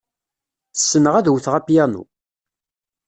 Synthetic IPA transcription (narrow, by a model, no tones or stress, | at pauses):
θəsːənəʁæðwθʁæpjænṵ